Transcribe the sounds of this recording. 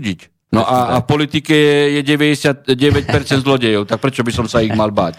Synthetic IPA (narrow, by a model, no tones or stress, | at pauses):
ɟic | nɔʔaafpɔlit̪ikɛɛjɛɟɛʋɛɟɛsɪat̪̚ɟɛʋɛc̚pɛɾt͡sɛnd̪zlɔɟɛjɔʊt̪ak̚pɾɛt͡ʃɔbisɔmsaiɣmalba̰ːc